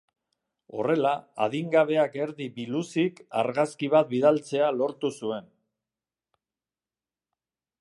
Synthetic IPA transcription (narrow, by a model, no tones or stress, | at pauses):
o̞re̞laa̰ðiŋɡaβe̞ake̞ɾðibilusika̰ɾɣaskiβ̞at̪̚biðalt͡se̞alo̞ɾt̪usue̞n